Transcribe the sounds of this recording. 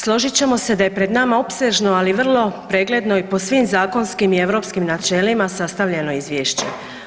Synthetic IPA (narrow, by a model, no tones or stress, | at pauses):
slˠo̞ʒit͡ɕe̞mo̞se̞d̪aje̞pɾe̞d̪namao̞pse̞ʒno̞aliʋr̩lˠo̞pɾe̞ːɡle̞d̪no̞ipo̞sʋimzaːko̞nskimie̞ʋɾo̞pskimnat͡ʃe̞limasast̪aʋʎe̞no̞izʋjeːʃt͡ɕḛ